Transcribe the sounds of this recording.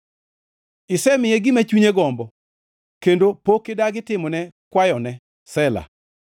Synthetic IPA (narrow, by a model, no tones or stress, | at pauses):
ɪsɛmɪjeɡɪmat͡ʃuɲeɡɔmbɔ | kendopokːɪdaɡɪtɪmɔnɛkwajɔnɛ | sɛla̰